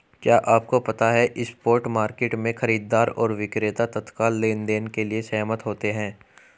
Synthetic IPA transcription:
kjaːʔaːp̚kopɐt̪aɦɛʔɪspoːɾʈmaːɾkeːʈmẽxɐɾiːd̪ːaːɾɔ̰ːɾʋɪkɾeːt̪at̪ɐt̪kaːlːeːnd̪eːnkeliesɐaːmət̪ɦoːt̪eɦɛ̃ː

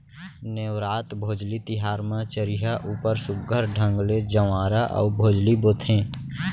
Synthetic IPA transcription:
newɾaːt̪bʱoːd͡ʒlit̪ɪɦaːɾmãt͡ʃəɾiɦaʔuːpəɾsʊb̚ɡʱəɾɖʱə̃ŋɡled͡ʒəʋaːɾaʔɔ̰ʊbʱoːd͡ʒliboːt̪ʰẽː

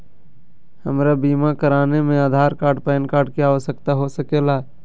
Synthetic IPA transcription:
həmɾabiːmakəɾaːnemẽaːd̪ʱaːɾkaːɾɖpɛːnkaːɾɖkiaːʋəsəkt̪aɦosəkeːla

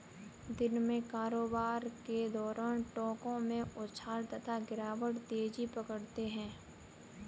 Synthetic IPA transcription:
d̪ɪnmẽkaːɾoːbaːɾked̪ɔːɾaːnʈɔːkõmẽʊʃʰaːɾt̪ɐt̪ʰaɡɪɾaːʋəɽt̪eːd͡ʒipəkəɽt̪eɦɛ̃ː

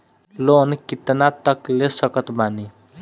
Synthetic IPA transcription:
lonkit̪nat̪ʌklesʌkʌt̪bʱani

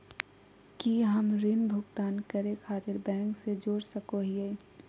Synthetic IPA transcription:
kiɦəmɾɪnbʱʊɡt̪aːnkəɾẽkʰaːt̪ɪɾbɛ̃ːŋksed͡ʒoːɽsəkoɦieː

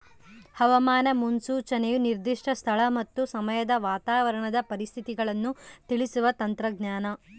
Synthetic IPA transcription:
hɐʋɐmaːnɐmunsuːt͡ʃɐnejuniɾd̪iʂʈʰɐst̪ʰɐɭɐmɐt̪ːusɐmɐjɐd̪ɐʋaːt̪aːʋɐɾɐɳɐd̪ɐpɐɾist̪ʰit̪iɡɐɭɐnːut̪iɭisuʋɐt̪ɐnt̪ɾɐɡɲjaːnɐ

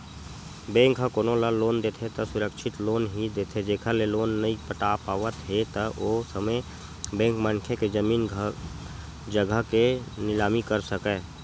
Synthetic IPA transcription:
bẽːŋkɦəkoːnolaloːnd̪eːt̪ʰet̪ɐsʊɾəkʃʰɪt̪loːnɦid̪eːt̪ʰed͡ʒeːkʰəleloːnːəipəʈaːpaːʋət̪ɦet̪əʔoːsəməj | bɛ̃ːŋkmə̃ŋkʰeked͡ʒəmiːn | d͡ʒəɡʱəɦkenɪlaːmikəɾsəkeː

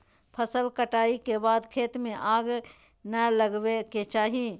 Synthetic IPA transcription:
pʰəsəlkəʈaːikebaːd̪kʰeːt̪mẽʔaːɡ | nɐləɡweket͡ʃaːɦie

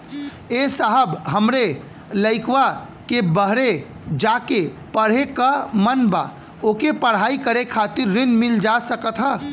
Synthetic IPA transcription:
esəɦəbɦəmɾe | ləɪkʋa | kebəɦɾe | d͡ʒake | pəɽ̤ekamənba̰ | oːkepəɽ̤aːikəɾekʰat̪ɪɾːɪnmɪld͡ʒasəkət̪ɦə

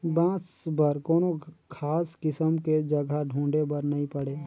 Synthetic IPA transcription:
bãːsbɐɾkoːnokʰaːskɪsəmked͡ʒɐɡʱaɖʱũːɳɖebəɾnɐɦĩpɐɽeː

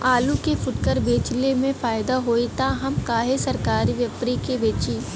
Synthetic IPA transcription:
aːlukefʊʈkəɾbeːt͡ʃlemẽfaːɪd̪aɦoːit̪aːɦɐmkaːɦesɐɾkaːɾiʋjɐpɾikebeːt͡ʃiː

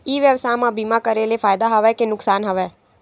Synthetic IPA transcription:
iːʋjəʋsaːmãbiːmakəɾelefʰaːjd̪aɦɐʋɛkenʊksaːnɦɐʋɛː

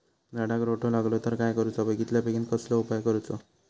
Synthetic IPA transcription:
naɽakɾoʈolaɡlot̪əɾkajkəɾut͡sabəɡit̪ljapekinkəsloupajkəɾut͡sɔ̰

